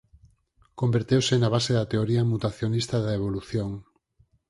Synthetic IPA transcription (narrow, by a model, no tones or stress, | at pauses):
kombeɾt̪ewsɪnaβ̞aseðɐt̪eoɾiɐmut̪aθjonist̪ɐðaeβ̞oluθjoŋ